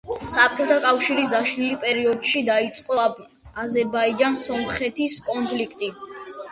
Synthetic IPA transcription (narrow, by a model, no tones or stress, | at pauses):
sap̚t͡ʃʼɔt̪ʰakʼafʃiɾis̬d̪aʃnilipʼɛɾiɔd̪ʃid̪ait̪sʼqʼɔ | azɛɾbaid͡ʒansɔmχɛt̪ʰiskʼɔnpʰlikʰt̪ʼi